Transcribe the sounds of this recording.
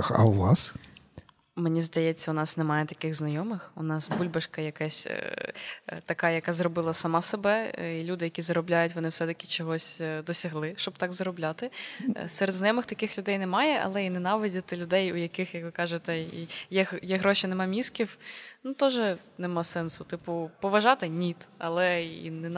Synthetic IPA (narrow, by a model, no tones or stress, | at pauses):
xɐ̰wʋɑs | menʲizd̪ɐjɛt͡sʲːɐʊnɑsnɛmɑjɛt̪ɐkɪɣznɐjɔmɪxʊnɑsbulʲbɐʃkɐjɐkɛsʲ | t̪ɐkɑjɐkɑzrɔbɪlˠɐsɐmɑsebɛilʲud̪ɪjɐkʲizɐɾɔblʲajʊtʲʋɔnɪwsɛt̪ɐkʲɪ̥t͡ʃɔɦɔsʲd̪ɔsʲɐɦlˠɪʃt͡ʃɔbt̪ɑɡzɾɔblʲat̪ɪ̰sɛɾed̪znɐjɔmɨxt̪ɐkɪxlʲʊd̪ɛjnɛmɑjɛʔɐ̰lˠɛinɛnɑʋɪdʲɐt̪ɪlʲʊd̪ɛjʊjɐkɪxjɐkʋɪkɑʒet̪ɛijɛjɛɦɾɔʃʲinɛmɑmʲiskʲiwnut̪ɔʒɛ | nɛmɑsɛnsʊt̪ɪpʊpɔʋɐʒɑt̪ɪnʲit̪ɐ̰lˠɛḭnɛ